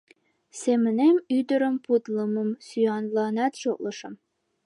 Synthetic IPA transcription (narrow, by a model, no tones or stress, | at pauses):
semɘ̆nemyd̪ə̆ɾə̆mpʰut̪lˠɤmɤ̆msyjɑnlˠɑnæt̪ʃok̚lˠɤʃɤ̆m